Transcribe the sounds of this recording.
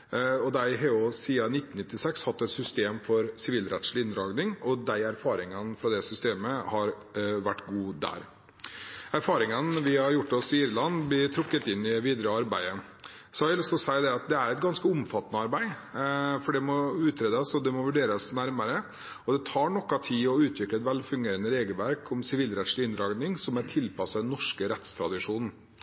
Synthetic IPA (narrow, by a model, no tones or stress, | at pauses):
ɔd̪æɪɦɑɾjʊsiːɑnɪt̪ːn̩nɪt̪ːɪsɛkshɑt̪ːɛt̪sʏst̪eːmfɔɾsɪʋiːlɾɛt̪ʂɭɪɪnd̪ɾɑːɡnɪŋɔd̪æɪæɾfɑːɾɪŋənfɾɑd̪ɛsʏst̪eːməhɑɾ | ʋæʈːɡuːd̪æ̰ɾ | æɾfɑːɾɪŋənʋɪhɑɾjʊʈːɔsɪiːɾlɑnblɪɾt̪ʰɾʊkːət̪ɪnːɪʋiːd̪ɾəɑɾbæ̰ɪə | sɔhɑɾʋɪlʏst̪ɔsæɪd̪ɛɑt̪̚d̪ɛæɾɛt̪̚ɡɑnskəʊmfɑt̪ːnəɑɾbæɪ | fɔɖɛmɔʉːt̪ʰɾeːd̪əsɔd̪ɛmɔʋʉɖeːɾəsnæɾməɾə | ɔd̪ɛt̪ʰɑːɳɔkːɑt̪ʰiːɔʉːt̪ʰʋɪklɛt̪ʋɛlfʉŋɡeːɾənəɾeːɡəlʋæɾkʰɔmsɪʋiːlɾɛt̪ʂlɪɪnd̪ɾɑːɡnɪŋsɔmæʈʰɪlpʰɑsɑd̪ɛnːɔʂkəɾɛt̪st̪ʰɾɑ̰d̪ɪʂuːnn̩